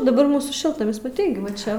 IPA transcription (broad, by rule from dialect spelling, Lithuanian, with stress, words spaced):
dɐˈbɐr ˈmuːsuː ˈʃʲɪlˠtnɐmʲɪs mɐˈtʲɛɪ ˈɡʲɪ ʋɐ ˈt͡ʃʲɛ